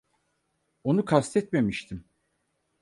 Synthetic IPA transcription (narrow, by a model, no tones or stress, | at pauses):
o̞nukʰast̪ʰɛt̪me̞miʃt̪ʰim